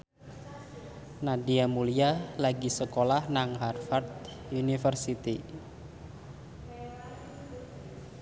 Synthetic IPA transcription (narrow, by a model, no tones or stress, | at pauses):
nadiamulijalaɡisəkolahnaŋɦarfart̪ | unifərsit̪i